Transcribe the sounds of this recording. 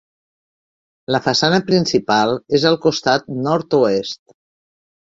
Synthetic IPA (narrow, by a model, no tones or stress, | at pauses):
ləfəsanəpɾinsipalˠezəlˠkust̪at̪̚nɔɾt̪uest̪